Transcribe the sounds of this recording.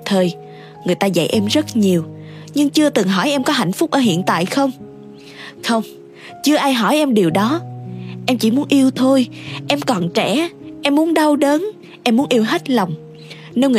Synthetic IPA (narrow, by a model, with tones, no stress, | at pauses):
t̪ʰəː˨˩j | ŋɨ˨˩əjt̪aː˧za̰˧˨jʔɛ˧mzə˦˥t̚ɲi˨˩əw | ɲɨ˧ŋt͡ɕɨ˧ət̪ɨ˨˩ŋɦɔ˧˩jʔɛ˧mkɔ˨˦ɦa̰˧˨jŋ̟fʊ˦˥k͡p̚ʔəː˧˩hḭ˧˨ənt̪a̰ː˧˨jxə˧wŋ͡m | xə˧wŋ͡m | t͡ɕɨ˧əʔaː˧jɦɔ˧˩jʔɛ˧mɗi˨˩əwɗɔ˨˦ʔɛ˧mt͡ɕḭ˧˩mu˨˦ənʔi˧əwt̪ʰo˧jʔɛ˧mkɔ˨˩nt͡ɕɛ˧˩ʔɛ˧mːu˨˦ənɗa˧wɗə˨˦n | ʔɛ˧mːu˨˦ənʔi˧əwɦe˦˥t̚la˨˩wŋ͡m | ne˧nŋɨ˨˩